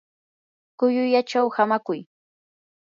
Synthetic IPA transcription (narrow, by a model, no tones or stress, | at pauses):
kʊjʊjat͡ʃawhamakʊj